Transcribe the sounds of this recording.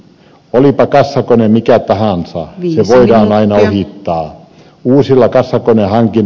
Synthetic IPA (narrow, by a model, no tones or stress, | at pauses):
olipɑkɑsːɑkonemikæt̪ɑhɑnsɑ̰seʋoidɑːnɑinɑohit̪ːɑː | uːsilːɑkɑsːɑkonehɑŋkin